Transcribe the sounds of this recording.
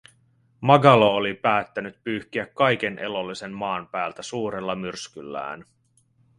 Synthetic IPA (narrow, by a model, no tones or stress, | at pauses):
mɑɡɑloolipæːt̪ːænyt̪̚pyːhk̟iækːɑjk̟e̞nʔe̞lo̞lːise̞mmɑːnpæːlt̪æsuːɾe̞lːɑmyrskylːæ̰ːn